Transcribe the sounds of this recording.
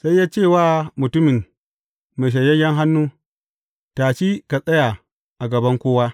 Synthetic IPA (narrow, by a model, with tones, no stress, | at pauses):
sa˦jːaː˦t͡ʃe˦˨waː˦mʊ˨tʊ˦mɪ˨n | me˨ʃ̬ɐ˨jɐ˦jɐ˦ŋɦa˦nːuː˦ | taː˨t͡ʃi˦ka˨sʼɐ˦ja˨ | ʔa˨ɡɐ˨bɐ˦ŋkʷoː˦wa˦